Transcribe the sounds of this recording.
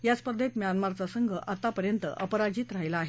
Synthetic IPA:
jat͡spəd̪ʱːett̪mjanmaɾt͡sasəŋɡʱəʔat̪apəɾjənt̪ə̰ʔəpəɾad͡ʑiːt̪ɾaɦjlaːɦe

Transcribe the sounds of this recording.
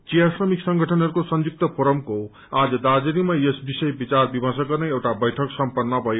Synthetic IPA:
t͡sijasrʌmiksʌŋɡʱʌʈʰʌnɦʌɾukosʌnjuk̚t̪ʌpʰoɾʌmko | ad͡zʌd̪ad͡zʌɾimajesbisʌjbit͡sarbibʱʌs̬ʌk̚ɡʌrnʌjewʈabʌjʈʰʌksʌmpʌnːʌbʱʌjo

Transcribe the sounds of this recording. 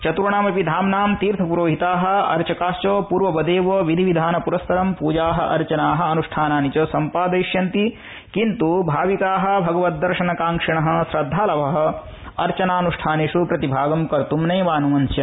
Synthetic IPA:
t͡ʃɐt̪uɾɐɳaːmɐpid̪ʱaːmnaːmt̪iːɾt̪ʰɐpuɾoːɦit̪aːɦɐ̆ɐ̰ɾt͡ʃɐkaːst͡ʃoːpuːɾʋɐbɐd̪eːʋoːʋid̪ʱiʋid̪ʱaːnɐpuɾɐst̪ʰɐɾɐmpuːd͡ʒaːɦɐʔɐ̰ɾt͡ʃɐnaːɦɐ̆ɐnuʂʈʰaːnaːnit͡ʃɐːsɐmpaːd̪ɐjʃjɐnt̪i | kint̪ubʱaːʋikaːɦɐ̆bʱɐɡɐʋɐt̪̚d̪ːɐɾʃɐnɐkaːŋkʂiɳɐɦɐ̆sɾɐd̪ʱːaːlɐʋɐɦɐ̆ | ɐɾt͡ʃɐnaːnuʂʈʰaːneːʂupɾɐt̪ibʱaːɡɐmkɐɾt̪umnɐːʋaːnuʋɐnsjɐ

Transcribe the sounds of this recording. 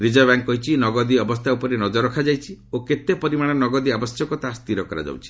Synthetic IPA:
ɾid͡ʒabaŋkkːɔɦit͡ʃʰinɔɡɔd̪iɔbɔst̪ʰaupɔɾenɔd͡ʒɔɾɔkʰad͡ʒajt͡ʃʰioket̪epɔɾimaɽ̃ɔnɔɡɔd̪iabɔsjɔkɔt̪ast̪iɾɔkɔɾa̰d͡ʒa̰wt͡ʃʰi̥

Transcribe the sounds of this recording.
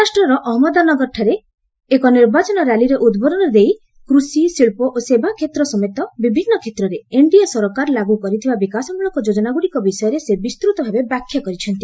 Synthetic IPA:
asʈɾɔɾɔʔɔɦɔmɔd̪anɔɡɔɾʈʰaɾe | ekɔniɾbat͡ʃɔnɔɾaliɾeʔud̪bɔɾɔnɔd̪ej | kɾusisiɭpɔʔosebʱakʰet̪ɾɔsɔmet̪ɔbibʱinːɔkʰet̪ɾɔɾeeɳɖiɔsɔɾɔkaɾlaɡukɔɾit̪ʰibabikasɔmuɭɔŋkɔd͡ʒod͡ʒɔnaɡuɽikɔbisɔjɔɾesebist̪ɾut̪ɔbʱabebakʰːjɔkɔɾit͡ʃʰɔnt̪i

